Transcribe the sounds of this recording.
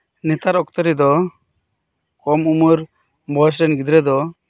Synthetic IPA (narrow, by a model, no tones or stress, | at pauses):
nɛt̪aɾɔkt̪ɔɾid̪ɔ | kɔmumuɾ | bʱɔs̬ɾɛnɡid̪ɾɛd̪ɔ